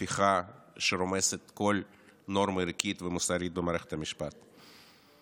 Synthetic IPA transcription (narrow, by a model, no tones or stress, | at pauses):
fiχaʃeɾomeset̪ko̞l | no̞ɾmaiɾkʲit̪vemusaɾit̪bemaːɾeχet̪hamiʃpat̪